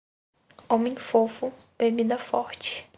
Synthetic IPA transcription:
õmẽj̃fofʊpemĩd̪ɐfɔɾt͡ʃɪ̥

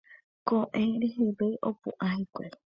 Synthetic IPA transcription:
kõʔẽɾeɦeʋeʔopṵʔãɦekʷḛɾe

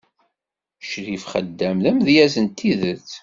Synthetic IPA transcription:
ʃɾifχəd̪ːæmlæmðjæzənt̪ːiðət͡sː

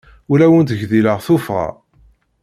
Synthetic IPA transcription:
ulæwənt̪əʝðiləʁθufʁa̰

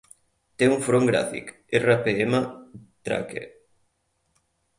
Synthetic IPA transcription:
t̪euŋfɾoŋɡɾa̰fḭk | erapeemat̪ɾa̰kḛ

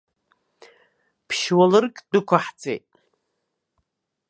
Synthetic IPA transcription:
pʰʃwalɨrkʼd̥ɨkʷʰaħt͡sʼḛjtʼ

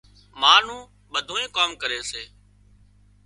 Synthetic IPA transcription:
maːn̤ũː | ɓəd̪ʱoːẽːkoːmkəɾeːseː

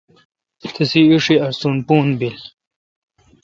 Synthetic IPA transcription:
t̪ʰisiuʂiɐɾsunpuːnbil

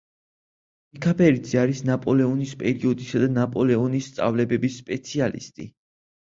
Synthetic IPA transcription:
mikʰapʰɛɾid̪zɛaɾisnapʼɔlɛɔnispʼɛɾiɔd̪isad̪anapʼɔlɛɔnist̪sʼa̰vlɛbɛbisːpʼɛt̪sʰialḭst̪ʼḭ

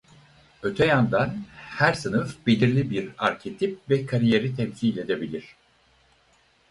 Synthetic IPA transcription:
ø̞t̪ʰɛjand̪anhæɾsɯnɯfbelʲiɾlʲibiɾaɾcʰe̞t̪ʰip̚vɛkʰaɾije̞ɾit̪ʰɛmsiːlʲe̞d̪e̞bilʲiɾ̝̥

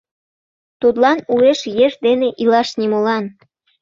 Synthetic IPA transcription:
t̪ut̪lɑnueʃjeʒd̪eneʔilɑʃnimolɑn

